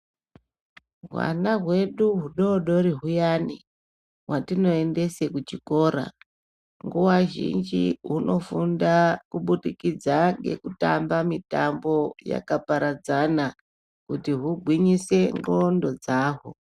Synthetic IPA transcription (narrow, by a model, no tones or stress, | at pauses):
ɦwa̰naɦwe̞ɗuɦuɗoɗo̞ɾiɦujani | ɦwatino̞e̞nde̞se̞kut͡ʃiko̞ːɾa̰ | ŋɡuwaʒḭnd͡ʒiɦuno̞fundakuɓuɗikid͡zaŋɡe̞̰kutambamitambo̞ja̰kapaɾad͡zana | kutiɦuɡʱwiɲise̞ŋro̞ndo̞d͡zaːɦo